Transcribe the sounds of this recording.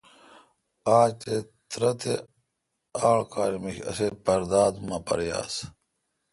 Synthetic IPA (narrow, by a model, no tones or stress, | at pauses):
aːt̪et̪ɾɐt̪e | aːɭkaːɾimiçɐ̰sepɐɾd̪aːd̪mɐpɐ̰ɾja̰ːs